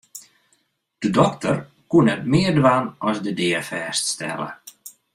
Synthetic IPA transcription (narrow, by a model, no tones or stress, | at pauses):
d̥ədɔktər | kunɛtmɪərdʋaːnɔsdədɪəfɛːststɛ̰lə̰